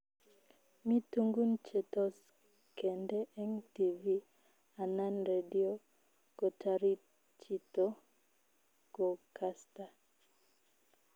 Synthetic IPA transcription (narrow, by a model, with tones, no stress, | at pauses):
mi˦tu˦ŋɡu˦nt͡ʃe˨tɔ˦s | kɛ˨ndɛ˦ʔɛ˦ŋti˨vi˦ | a˨na˦nɾe˨di˦o˦ | ko˨ta˨ɾi˦ | t͡ʃi˨to˦ | ɡo˨ka˦sta˨